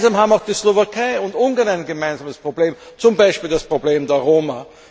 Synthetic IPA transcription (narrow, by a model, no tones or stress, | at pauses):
zaːmɦaːbm̩aʊxd̥iːslovakʰaɪʊntʔʊnɡɐnaɪnɡəmaɪnzaːməspʁ̥obleːmt͡sʊmbaɪʃpiːldaspʁ̥obleːmdeɐʁoːma